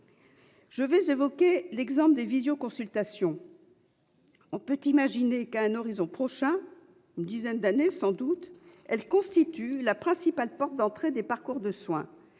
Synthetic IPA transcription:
ʒ̥əvɛzevɔkʲelɛɡzɑ̃pld̪evizjokɔ̃sylt̪asjɔ̃ | ɔ̃pøt̪imaʒinekaɛ̃nɔʁizɔ̃pχɔʃɛ̃ | ynd̪izɛnd̪anesɑ̃d̪ut̪ɛlkɔ̃st̪it̪ylapχɛ̃sipalpɔʁt̪̚d̪ɑ̃t̪χed̪epaʁkuʁd̪əswɛ̰̃

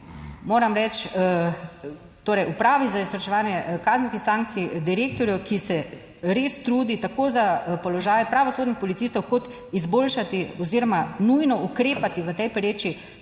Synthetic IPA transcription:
moːɾamɾɛt͡ʃ | t̪oːɾɛjupɾaːʋizaisɾɔʃɛʋaːnjɛkaːznskixsaːŋk̚tsiid̪iɾeːk̚t̪ɔɾjukisɛ | ɾeːst̪ɾuːd̪it̪akoːzapɔlɔʒaːjpɾaʋɔsoːd̪nixpɔlit̪siːst̪ɔwkɔt̪ | izboːlʃat̪iɔziɾɔmanujnɔukɾeːpat̪iʋət̪ɛjpɾeːt͡ʃi

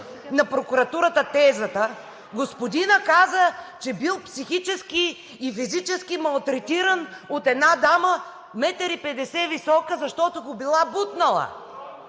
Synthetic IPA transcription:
nɐpɾokuɾɐt̪uɾət̪ət̪ɛzət̪ə | ɡospod̪inəkazət͡ʃɛbilˠpsixit͡ʃɛskiː | fizit͡ʃɛskimɐlˠt̪ɾɛt̪iɾənot̪ɛd̪nad̪amə | mɛt̪əɾipɛd̪ɛsɛvisɔkəzɐʃt̪ɔt̪oɡobilˠabut̪nɐlˠɐ̰

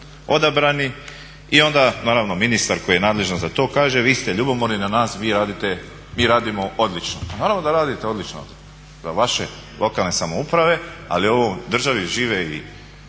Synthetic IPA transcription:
o̞d̪abɾani | io̞nd̪anaːɾaʋno̞minist̪aɾko̞jijenaːd̪le̞ʒnozat̪o̞ːkaːʒe̞ʋiːst̪e̞ʎubomoɾninanaːsʋiːɾaːd̪it̪e̞ | miːɾaːd̪imo̞ʔo̞d̪lit͡ʃnopamoːɾaʋnod̪aɾaːd̪it̪eolit͡ʃno̰ | zaʋaʃe̞̰ | lʔo̞kalˠne̞samoupɾaʋe̞a̰lio̞ʋod̪r̩ʒaʋiʒiːʋeḭ

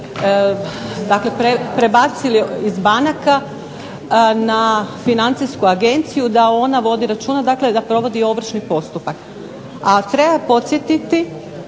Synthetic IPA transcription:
d̪akle̞pɾepɾe̞bat̪siliizbanaka | nafinant̪siskuaɡe̞nt̪sijud̪ao̞naʋo̞d̪iɾat͡ʃuːnad̪akle̞d̪apɾo̞ʋo̞d̪io̞ʋr̩ʃnipo̞st̪upak | att̪ɾe̞bapo̞t̪sjet̪it̪i

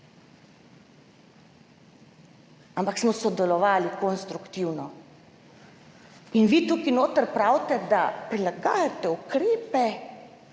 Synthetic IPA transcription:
ampaksmɔsɔd̪ɛlɔʋaːlikɔnst̪ɾukt̪iwnɔ | inʋit̪uːkinoːt̪əɾpɾawt̪ɛd̪apɾilaɡa̰ːjat̪ɛukɾeːpɛ

